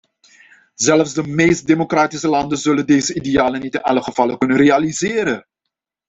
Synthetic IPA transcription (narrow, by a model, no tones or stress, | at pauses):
zɛlfzdəmejst̚demokraːtisəlɑndənzɵləndejzəidejaːlənitɪnɑ̰ləχəv̥ɑləkɵnərealizɪːɾə